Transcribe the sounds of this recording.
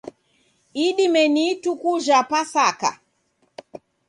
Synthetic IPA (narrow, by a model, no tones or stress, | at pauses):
iɗimɛnitukuʒapasaka̰